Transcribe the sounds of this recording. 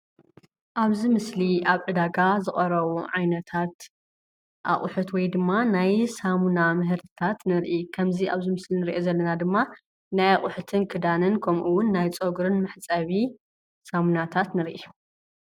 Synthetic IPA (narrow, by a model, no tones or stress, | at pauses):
ʔaβzimɨsliaβʕɨd̪aɡazɨχʼɐɾɐβuʕajnɐt̪ʰat̪ | ʔa̰χʼʊħɨt̪wɔjd̪ɨmːanajsamunamɨɦɨɾt̪ʰɨ̥t̪ʰat̪nɨɾʔikʰɐmziʔaβzimɨslinɨɾʔozɐlːɐnad̪ɨmːa | najaχʼʊħɨt̪ʰɨnkʰɨd̪anɨnkʰɐmʔuwʊnːajt͡sʼoɡuɾɨnmɨħt͡sʼɐβi | samunat̪ʰat̪nɨɾʔiu